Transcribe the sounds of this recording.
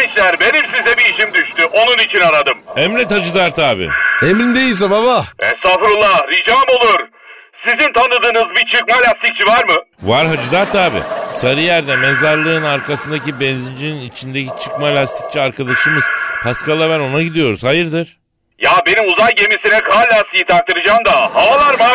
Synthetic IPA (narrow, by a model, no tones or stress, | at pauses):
it͡ʃlʲæɾbe̞nimsizɛbiːʃimd̪yʃt̪yʔo̞nunit͡ʃʰinaɾad̪ɯmɛmɾɛt̪had͡ʒɯd̪aɾt̪ʰaːbḭemɾind̪ejilʲs̬ɛmamaɛ̰safɾulˠːaɾid͡ʒaːmo̞lˠuɾ̥ | sizint̪ʰanɯd̪ɯːnɯzbit͡ʃʰɯkmalʲast̪ʰic̚t͡ʃʰivaɾmɯ | vaɾɦad͡ʒɯd̪aɾt̪ʰaːbḭsaɾɯjæɾd̪ɛmezaɾlˠɯnaɾkʰasɯnd̪acibɛnzind͡ʒininit͡ʃʰind̪ecit͡ʃʰɯkmalʲast̪ʰi̥c̚t͡ʃʰiaɾkʰad̪aʃɯmɯz̥pʰaskalˠabæno̞naɟid̪ijo̞ɾuz̥hajɯɾd̪ɯɾ̥ | jabe̞nimuzajɟe̞misinɛkʰaːlʲaːsɯjit̪ʰaɾt̪ʰːɯɾɯd͡ʒaːmd̪ahaalˠaɾma